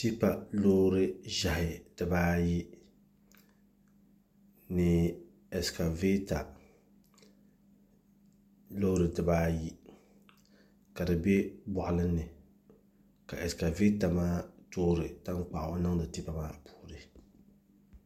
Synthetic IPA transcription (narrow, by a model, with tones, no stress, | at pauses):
ti˦pa˨loː˦ɾɨ˦ʒa˨hɪ˨d̥ɨ˨baː˦ji˦ | nɨ˨ | ɛ˨ska˨ve˦ta˨ | loː˦ɾɨ˨dɨ˨baː˦ji˦ | ka˨dɨ˨bɛ˦bɔ˨ʔʊ˨lɨ˦nːɨ˨ | ka˨ʔɛ˨ska˨ve˦ta˨maː˦toː˦ɾɨ˨ta˦ŋk͡pa˨ʔʊ˨ʔnɨ˦ŋdɨ˨ti˦pa˨maː˦pʰu̥ː˨ɾɨ˨